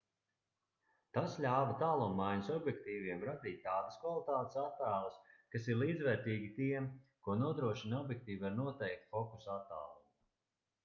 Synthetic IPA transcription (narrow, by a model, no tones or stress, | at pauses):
t̪aslʲaːvat̪aːlˠumːajɲusɔbjɛkt̪iːviɛmɾad̪iːt̪̚ʲːaːd̪əskvalˠit̪aːt̪e̥sat̪ːæːlˠɐskasiɾlˠiːd̪zvɛːɾt̪iːɡʲit̪iɛmkuɔnuɔd̪ɾuɔʃinɔbjɛk̚t̪iːvaɾnuɔt̪ɛjk̚t̪fɔkusat̪ːa̰ːlˠumu